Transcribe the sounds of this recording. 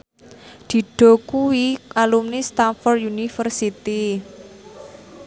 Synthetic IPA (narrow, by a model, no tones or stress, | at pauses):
d̪̥i̤ɖ̪̥ɔ̤kuwiʔalumnist̪anfɔrd̪junifərsit̪i